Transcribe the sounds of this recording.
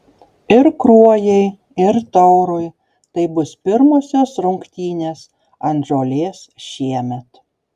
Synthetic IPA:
ɪɾkɾuɔjɛɪ | ɪɾt̪ɔʊɾʊj | t̪ɐɪbʊspʲɪɾmoːsʲoːsɾʊŋkt̪ʲiːnʲeːs | ɐnʒoːlʲeːsʃʲiɛmʲɛt̪

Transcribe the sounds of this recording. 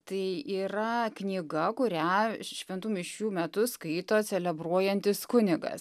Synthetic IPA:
t̪ɐɪiːɾɐknʲiːɡɐkʊɾʲæʃʲʋʲɛnt̪umʲɪʃʲkʲuːmʲɛt̪ʊskɐɪt̪oːt͡s̪ʲɛlʲɛbruɔjɛnʲt̪ʲɪskʊnʲɪɡɐ̰s

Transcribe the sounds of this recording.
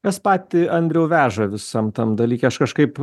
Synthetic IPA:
kɛspɑːt̪ʲɪɐnʲd̪ʲɾʲɛʊʋʲæːʒɐʋʲɪsɐmt̪ɐmd̪ɐlʲiːkʲɛɐʃkɐʃkɐɪp

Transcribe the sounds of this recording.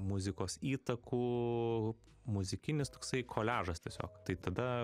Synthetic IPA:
mʊzʲɪkoːsiːt̪ɐkuː | mʊzʲɪkʲɪnʲɪst̪oːksɐɪkʰoːlʲæːʒɐst̪ʲiɛsʲo̰ːkt̪ɐɪt̪ɐd̪ɐ

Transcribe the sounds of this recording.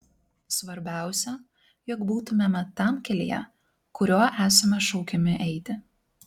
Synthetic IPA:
sʋɐɾʲbʲæˑʊsʲɛ | jɔkbuːt̪ʊmʲemʲɛt̪ɐˑmkʲɛlʲḭjɛ̰ | kʊɾʲoːʔæːsɐmʲɛʃɒʊkʲɛmʲɪʔɛɪt̪ʲɪ

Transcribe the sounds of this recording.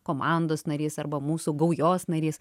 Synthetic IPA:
koːmɑnd̪oːsnɐɾʲiːsɐɾbɐmuːsuɡɐʊjoːsnɐɾʲiːs

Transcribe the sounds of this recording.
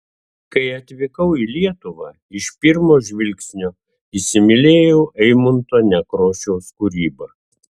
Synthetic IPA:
kɐɪɐt̪ʲʋʲɪkɐʊilʲiɛt̪ʊʋɐː | ɪʃpʲɪɾmoːʒʲʋʲɪlʲksʲnʲoː | isʲɪmʲɪlʲeːjɛʊʔɛɪmʊnt̪oːnʲɛkɾoːʃʲɛʊskuɾʲiːbɐː

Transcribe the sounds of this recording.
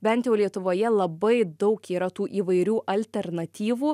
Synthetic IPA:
bʲɛnt̪ʲjɛʊlʲiɛt̪ʊʋoːjɛlˠɐbɐɪd̪ɐʊkiːɾɐt̪uːʔiːʋɐɪɾʲuːʔɐlʲt̪ʲɛɾnɐt̪ʲiːʋuː

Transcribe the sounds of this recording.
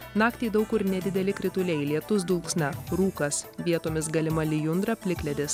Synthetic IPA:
nɑːkt̪ʲɛɪd̪ɒʊkʊɾnʲɛd̪ʲɪd̪ʲɛlʲɪkɾʲɪt̪ʊlʲɛɪlʲiɛt̪ʊs̬d̪ʊlˠksʲnʲɐɾuːkɐsʋʲiɛt̪oːmʲɪs̬ɡɐlʲɪmɐlʲɪjʊnd̪ɾɐpʲlʲɪklʲɛd̪ʲɪs

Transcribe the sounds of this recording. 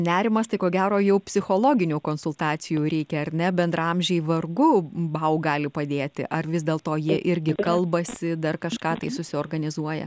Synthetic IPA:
nʲæːɾʲɪmɐst̪ɐɪkoːɡʲæːɾoːjɛʊpʲsʲɪxoːlˠoːɡʲɪnʲuːkoːnsʊlˠt̪ɑːt̪sʲɪjuːɾʲɛɪkʲɛɐɾʲnʲɛbʲɛnd̪ɾrɐɐmʲʒʲɛɪʋɐrɡʊbɐʊɡɑːlʲɪpɐd̪ʲeːt̪ʲɪ̰ʔɐrʋʲɪzʲd̪ʲeːlˠt̪oːjiɛʔɪɾʲɡʲɪkɐlˠbɐsʲɪd̪ɐrkɐʃkɑːt̪ɐɪsʊsʲɪoːrɡɐnʲɪzuɔjɛ̰

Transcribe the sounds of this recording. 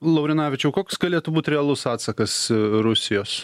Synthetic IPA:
lˠɐʊɾʲɪnɑːʋʲɪt͡ʃʲɛʊkoːkʲsɡɐlʲeːt̪ʊbuːt̪ʲɾʲɛɐlˠʊsɑːt̪sɐkɐsɾʊsʲɪjoːs

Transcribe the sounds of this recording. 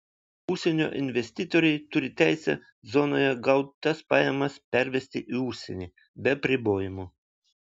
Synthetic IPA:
ʊʃʲsʲɛnʲo̰ːʔɪnʲʋʲɛsʲt̪ʲɪːt̪oːɾʲɛɪt̪ʊɾʲɪt̪ʲæˑɪsʲɛ̰ | zɔnoːjɛɡɐʊt̪t̪ɐspɑːjɛmɐspʲæɾʲʋʲɛsʲt̪ʲɪʔiʊʃʲsʲɛnʲiː | bʲɛɐpʲɾʲɪboːjɪmu

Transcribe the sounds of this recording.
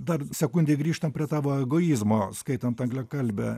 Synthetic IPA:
d̪ɐrsʲɛkʊnʲd̪ʲɛɪɡɾʲiːʃt̪ɐmpʲɾʲiɛt̪ɑːʋoːɛɡoːizmoːskɐɪt̪ɐnt̪ɐŋɡlʲɛkɐlʲbʲɛ̰

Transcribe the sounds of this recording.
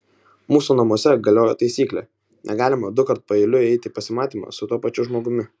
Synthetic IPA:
muːsunɐmuɔsʲɛɡɐlʲoːjot̪ɐɪsʲiːklʲɛ | nʲʔɛ̰ɡɑːlʲɪmɐd̪ʊkɐɾt̪̚pɐɛɪlʲʊɛɪt̪ʲɪpɐsʲɪmɑːt̪ʲiːmɑ̰ːsʊt̪uɔpɐt͡ʃʲʊʒmoːɡʊmʲɪ

